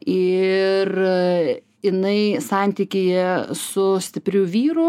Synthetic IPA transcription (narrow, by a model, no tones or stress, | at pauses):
ɪr | jɪnɐɪsɑˑnʲt̪ʲikʲɪjɛsʊsʲt̪ʲɪpʲɾʲʊʋʲiːɾʊ